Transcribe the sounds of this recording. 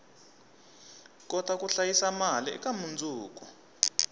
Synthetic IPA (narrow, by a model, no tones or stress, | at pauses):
k̬ʼɔtak̬ʼuɬajisamalḭɛ̰kʼamund͡zʱuːk̬ʼɔ